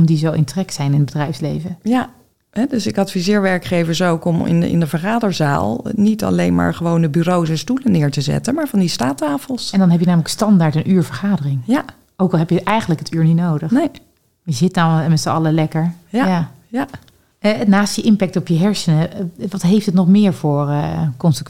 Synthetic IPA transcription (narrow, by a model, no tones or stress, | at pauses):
mdizowʔɪntrɛksɛjnɪnəd̚bədrɛjfslejvəja | ɦɛdøsɪkɑtfizɪːɹʋɛɹkχejvəɹsowkɔmɪ̰nɪ̰ndəvəɹχaːdəɹza̰ːlˠnitɑ̰lejnma̰ːɹχəʋowndəbyrowsɛnstulənɪːɹtəzɛ̰tənmaːɹvɑndistaːtaːfəlˠsɛndɑnɦɛpjənaːmələkstɑndaːɹtənʔyːɹvəɹχaːdərɪŋja | oːwkɑlˠɦɛpjəʔɛjχəntləkɦətʰyːɹninowdəxnej | jəzɪt̚ɔmɛtsəɑləlɛkəɹjja | ja | ɛnaːstjəʔɪmpɛk̚tɔpjəɦɛɹsənəʋɑtɦeftətnɔχmɪːɹvʊːɹəkɔnsək